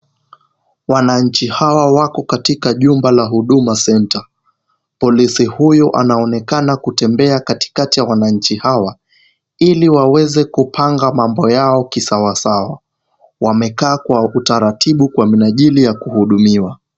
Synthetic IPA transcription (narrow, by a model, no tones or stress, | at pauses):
wanaɲ̩t͡ʃihawawakɔkatikaʄumbalaɦuɗumasɛnta | pɔlisihujɔʔa̰naɔnɛkanakutɛmbɛakati̥katijawanaɲ̩t͡ʃihawa | iliwawɛzɛkupʰaŋɡamambɔjaɔkisawasawa | wamɛkaːkwautaɾatʰiɓukwaminaʄilijakuhuɗumiwa